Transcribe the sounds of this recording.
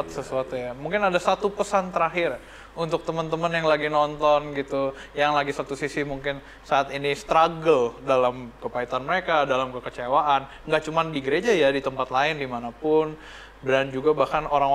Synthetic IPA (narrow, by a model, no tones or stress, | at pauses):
t̪̚səsuat̪ujamuŋkɪnadasat̪upəsant̪əɾaɦɪr | unt̪ʊk̚t̪əmənt̪əmənjaŋlaɡinɔnt̪ɔnɡit̪u | jaŋlaɡisat̪usisimuŋkɪn | saːt̪inist̪ɾaɡəldalamkəpait̪anməɾekadalamkəkət͡ʃewaʔan | ŋɡaʔt͡ʃumandiɡəɾed͡ʒajadit̪əmpat̪laɪndimanapʊn | bɾand͡ʒuɡabahkanoɾaŋ